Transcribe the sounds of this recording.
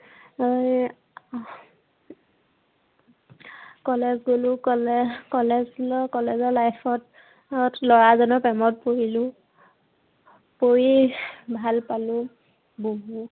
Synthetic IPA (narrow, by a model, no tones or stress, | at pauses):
oj | kɔlezɡolʊkɔlkɔlɛzlɔkɔlɛzɔlajpʰɔt | tlɔɹazɔnɔpɛmɔt̚pojilʊ | pojibʱalpalʊ | boɦu